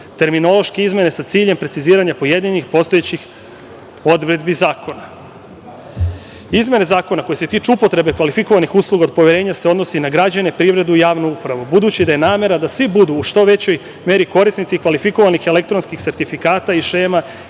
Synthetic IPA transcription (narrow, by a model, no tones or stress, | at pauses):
t̪e̞ɾmino̞lˠo̞ʃke̞izmje̞ne̞sat̪siːʎe̞mpɾesiziːɾaɲapo̞je̞d̪iɲixpo̞st̪o̞jet͡ɕix | o̞d̪ʋɾe̞d̪bizaːko̞na | izmʲe̞ne̞zaːko̞nako̞jese̞t̪iːt͡ʂuupo̞t̪ɾe̞be̞kʋalifiko̞ʋanixuslˠuɡao̞d̪̚po̞ʋje̞ɾe̞ːɲaseo̞d̪nosinaɡɾad͡ʑanepɾiʋɾe̞d̪uijaːʋnuupɾaʋubud̪uːt͡ɕid̪aje̞naːme̞ɾad̪asʋibud̪uːʃt̪o̞ʋe̞t͡ɕo̞j | me̞ɾiko̞ɾisnit̪sikʋalifiko̞ʋanixe̞lek̚t̪ɾo̞nskixe̞ɾt̪ifikaːt̪aiʃe̞ːma